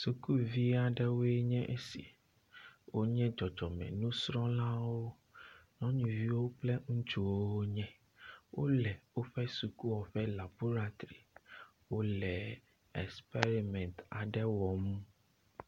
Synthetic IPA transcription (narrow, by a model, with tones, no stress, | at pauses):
su˨ku˦vi˦a˨ɖɛ˦wo˦ɛ˦ɲɛ̃˦ʔe˦sḭ˨ | wo˦ɲɛ̃˦d͡ʒɔ˨d͡ʒɔ˨mɛ̰̃˨nũ˦sɾɔ̃˦la˦wo˦ | nɔ̃˦ɲũ˨vi˦wo˦plɛ˦ŋũ˦t͡ʃu˨wo˦wo˦ɲɛ̃˦ | wʔo̰˦lɛ˨wo˦ɸɛ˦su˨ku˦wɔ˨ɸɛ˦la˨bo˦ɾa˨t̪ɾi˨ | wo˦lɛ˨ | ɛ˨spe˦ɾi˨mɛ̃˨nt̪a˨ɖɛ˦wɔ˨mũ˦